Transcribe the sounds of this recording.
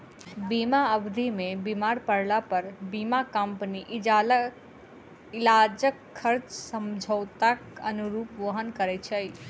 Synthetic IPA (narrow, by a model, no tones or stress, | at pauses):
bimaəbd̪ʱimebimaɾpəɽlapəɾbimakəmpniʔid͡ʒal | ilad͡ʒəkʰːəɾt͡ʃsəmd͡ʒʱəwt̪akənuɾupʋəɦənkəɾɛt͡ʃʰəj